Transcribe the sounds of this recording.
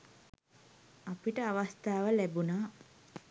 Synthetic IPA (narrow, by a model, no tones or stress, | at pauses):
apiʈəaʋast̪aːʋəlæbunaː